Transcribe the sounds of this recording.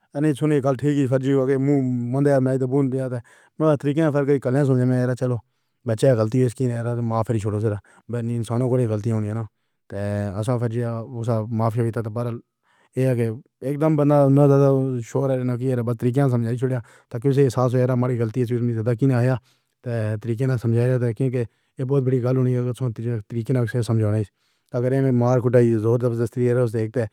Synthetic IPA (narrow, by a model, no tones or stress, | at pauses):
ənẽːsʊneːɡəlʈʰiːkipʰəɾd͡ʒiːkemũːmə̃nd̪aːjaːmãːit̪̬ebuːnd̪jaːt̪eː | m̃ːbt̪əɾiːkãːpʰəɾkəiːkəljãːs̬əmd͡ʒãːmẽːeːɾaːt͡ʃəloː | bət͡ʃʃeːaːɡəlt̪iːoɪskiːnːɾaːt̪ːmaːfʰeːɾiːt͡ʃʰoɽoːs̬eːɾaː | bəniɪnsaːnõːkoɽeɡəlt̪̬ijãɦoːnijaːnaː | t̪eːəsãːpʰəɾd͡ʒijaːʊsaːmaːfʰjaːbɪːt̪aːt̪ebaɾəl | eːaːke | eːk̚d̪əmbənd̪aːnãːzaːd̪aːʃoːɾɛːɾenakiːeːɾaːbət̪əɾiːk̬ãs̬əmd͡ʒaːiːt͡ʃʰoːɽjaː | t̪aːk̬eʊs̬eːɪsaːs̬ɦoːjaːɾaːmaːɽiːɣəlt̪iːəs̬iːʊsmĩːzaːd̪aːk̬iːnaːjaː | t̪eːt̪əɾiːk̬ẽːnaːsəmd͡ʒaːaːt̪̬eːkjõːke | eːbɔːt̪bəɽiːɡəlɦoːniːɡəsõːt̪əɾiːkeːnãːkseːsəmd͡ʒaːnaiːs | t̪əɡəɾeːẽmaːɾkʰʊʈaːizoːɾd̪əbsd̪əst̪ɾiːeːɾeʊs̬eeːk̚t̪eː